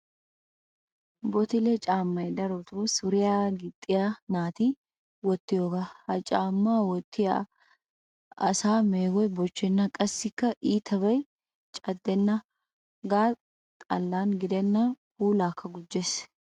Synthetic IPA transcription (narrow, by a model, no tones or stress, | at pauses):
bɔt̪ɪlɛt͡ʃʼaːmːɐjd̪ɐɾot̪usʊɾɪjaːɡɪt̪ʼːɪjaːnaːt̪iː | wɔt̪ːɪjoːɡahɐt͡ʃʼaːmːaːwɔt̪ːɪa | ɐsaːmeːɡɔjbɔt͡ʃːɛnːɐkʼɐsːɪkːɐʔiːt̪ʰɐβɐj | t͡ʃʼɐd̪ːɛnːɐ | ɡaː | t̪ʼɐlːaːnɡɪd̪ɛnːahuːlaːkʰːɐɡʊd͡ʒːes